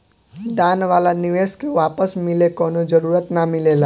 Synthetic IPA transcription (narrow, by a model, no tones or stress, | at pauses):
d̪aːnʋaːlanɪʋeːskeʋaːpəsmɪlekɔːnod͡ʒəɾuːɾət̪namɪlelaː